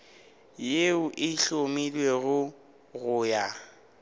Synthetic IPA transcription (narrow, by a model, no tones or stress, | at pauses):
jeʊʔɪɬomilweɣʊ | ɣʊːja